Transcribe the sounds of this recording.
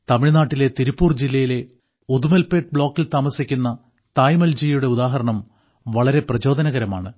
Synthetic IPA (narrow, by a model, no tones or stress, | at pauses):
t̪ɐmiɭnaːʈːile̞t̪iɾipːuːrd͡ʑilːɐjile̞ | ud̪umelpeʈ̚bɭo̞ːkːilt̪aːmɐsikʲːunːɐ | t̪aːjmɐld͡ʑijjuɽe̞uðaːɦɐɾɐɳɐm | ʋɐɭɐɾe̞prɐt͡ɕo̞ːd̪ɐnɐɣɐɾɐma̰ːɳɨ